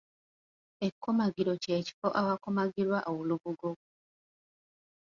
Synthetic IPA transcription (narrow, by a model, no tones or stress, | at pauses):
ekʰːomaɡiɾo̞ceːci̥foʔawakomaɡiɾwaʔowuluβuɡo